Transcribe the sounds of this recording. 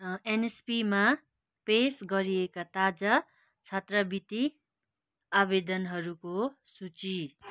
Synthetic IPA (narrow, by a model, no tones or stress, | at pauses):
enespima | pesɡʌɾiekat̪ad͡zʌ | t͡sʰʌt̪rʌbit̪i | abed̪ʌnɦʌɾukosut͡si